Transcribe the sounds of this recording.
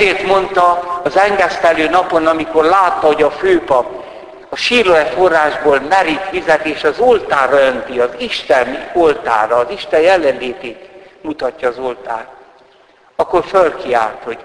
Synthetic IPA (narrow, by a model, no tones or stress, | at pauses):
eːrt̪mo̞nt̪ɒːzɛŋɡɛst̪ɛløːnɒpo̞nɒmiko̞rlaːt̪ːɒɦo̞ɟɒføːpɒp | ɒʃiːloɛfo̞rːaːʒboːlmɛɾit̪fizɛt̪eːʃɒzolt̪aːrɒønt̪iɒziʃt̪ɛnolt̪a̰ːɾɒːziʃt̪ɛjjɛlːɛnleːt̪eːt̪mut̪ɒcːɒːzo̞lt̪a̰ːt | ɒkːo̞rfølkia̰ːlt̪ho̞̥